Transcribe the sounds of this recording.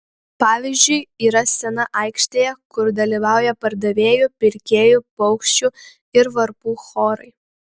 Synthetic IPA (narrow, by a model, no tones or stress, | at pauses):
pɑːʋʲizʲd͡ʒʲʊɪiːɾɐsʲɛnɐʔɐɪkʃʲt̪ʲeːjɛkʊɾd̪ɐlʲiʋɑˑʊjɛpɐɾd̪ɐʋʲeːjʊpʲɪɾʲkʲeːjupɔʊkʃʲt͡ʃʲʊ | ɪɾʋɐɾpuːxoːɾɐɪ